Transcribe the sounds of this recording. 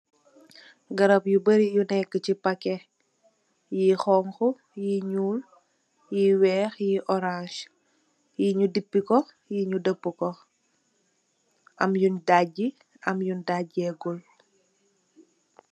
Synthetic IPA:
ɡɐɾɐpjubəɾijunɛkːəcipɐkɛ | jiːxɔŋxu | jiɲuːl | jiːwɛːxjiʔɔɾãʃ | jiɲudipːikɔ | jiɲudəbːəkɔ | ʔɐmjundaɟi | ɐmjundaɟɛɡul

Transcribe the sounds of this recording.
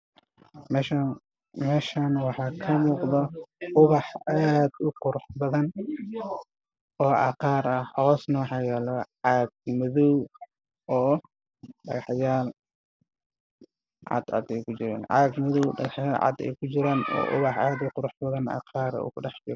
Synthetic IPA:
m | mɛːʃaːnwɑħɑːkʰɐmuːqðɔʔʊβɑħaːd̪ʊqʊɾʊħbɐðɐn | ɔːʔɑ̰qɑːɾɐhʔɑɣɔːsnɐwɑħɑːjɛːlɔʕɑːɡ̚mʊðɔw | ɔː | ɖɐ̰ɣɑħjaːl | ʕɑ̰d̪ʕɑ̰d̪ɛjkʰʊt͡ʃɪɾaːnʕɑ̰ɡmʊðɔwɖɐ̰ɣɑħjaːlʕɑ̰d̪ɛ̰jkʰʊt͡ʃɪɾaːnɔ̰ːʔʊ̰βɑħaːd̪ʊqʊɾʊħbɐðɐnʔɑ̰ːqʰɑːɾ̰ʊ̰kʊɖɑħd͡ʒɪɾ

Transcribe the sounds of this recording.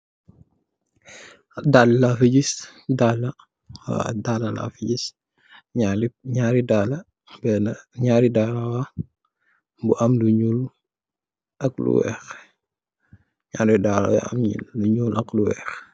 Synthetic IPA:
dallafiɟisdalɐ̰ | dalɐla̰fiɟis | ɲaliɲaːɾidalɐ | bɛnɐɲaːɾidaːɾawa | buʔɐmluɲul | ʔɐklṵwɛ̰ːx | ɲaːɾidaɾa̰w̰ɐ̰mɲḭluɲulʔɐkluwɛ̰ːx

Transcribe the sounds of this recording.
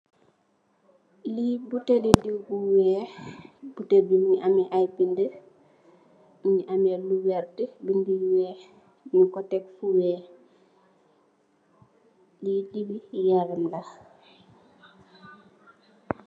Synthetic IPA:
libutɛlidiwbuwɛː | butebimiʔamiʔajbində | miniʔamɛluwɛɾdəbindiwɛː | mikɔtɛk̚fuwɛː | lidibijaɾɛmlɐ

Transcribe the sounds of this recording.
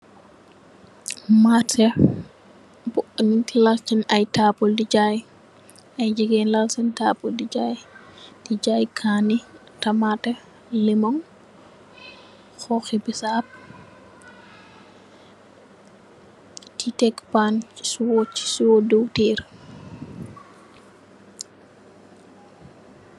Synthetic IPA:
matʰɛ | buʔnitilɐlt͡ʃɐnɐjtaːpɔldid͡ʒaj | ɐjd͡ʒiɡɛːnlɐlsɐntaːpːɔldid͡ʒaːjdid͡ʒaːjkʰaːni | tɐmatɛ | limɔŋ | xɔxibisap̚ | titɛkːpanswɔt͡ʃːsuwɔduwtiːɾ

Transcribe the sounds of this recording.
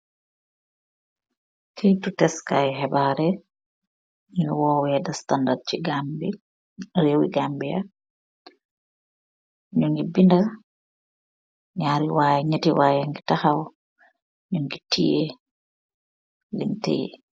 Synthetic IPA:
kʰejtutɛskajɦɛbaɾɛ | ɲwɔwjɛdastandad̚t͡ʃi | ɾewḭɡambija̰ | ɲuŋɡibinda | ɲaːɾiwaːjɛɲatiwaːjaŋɡitahaw | ɲuŋɡitijɛ | lḭntḛjɛ̰

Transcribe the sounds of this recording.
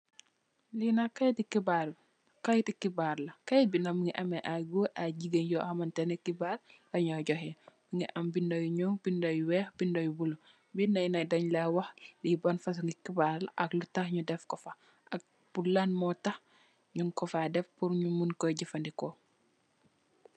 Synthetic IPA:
linakajtikibaɾ | kajtikibaɾlɐkɐjbinɐmiŋiʔɐmeʔaɡuʔaɟiɡenjɔhamɐntenekibaːɾlɐɲɔɟɔhɛbiŋiʔɐmbindojuɲɔŋbindojwɛxbindɐjbulu | binɐjnɐdɐɲlawɐxlibɐnfɐs̬uŋikibaɾlɐʔɐklutaxɲudɛfkɔfɐ | ɐk̚ | b̥ulanmɔtah | ɲuŋkɔfadɛfpuɾɲumunkɔɟifɐndikɔ

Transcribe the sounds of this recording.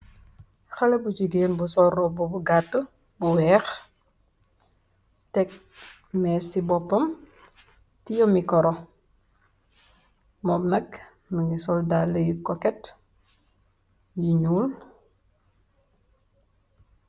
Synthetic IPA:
xɐlɐbut͡ʃiɡeːnbusɔrɔbɔbuɡatːə | buwɛːx | tɛk̚ | mɛːsibɔpːɐm | tijɔmikɔɾɔ | mɔmnɐk | məŋisɔldalːəjikɔkɛt | jiɲuːl

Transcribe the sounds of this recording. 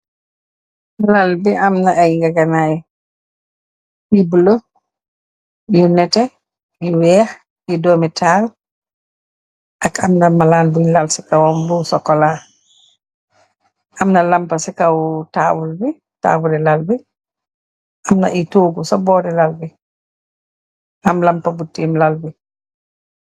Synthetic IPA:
lalbiʔamnaajɡaɡanaj | jibulo | junɛtɛ | jiwɛx | jidomitʰal | ʔakamnamalaːnbujlalsikawɔmbusɔkːɔla | ʔamnɐlampɐsikawtaːwulbi | ta̰ːbuɾilalbi | ʔamna̰ʔitoːɡusɔbɔːɾilalbi | ʔamlampɐbutːiːmlalbi

